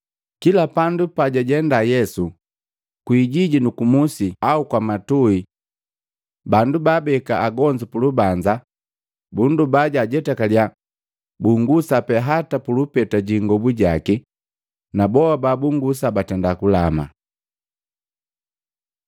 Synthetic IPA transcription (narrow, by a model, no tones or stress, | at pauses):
kilapandupaɟaɟɛndajɛsu | kwiːɟiɟinukumusiaukwamatui | bandubabɛkaaɡɔɲd͡ʒipulubaɲd͡ʒa | bundubaɟaɟɛtakalja | buŋɡusapɛɦatapulupɛtaɟiŋɡɔbuɟaki | nabɔabaːbuŋɡus̬abatɛndakulama̰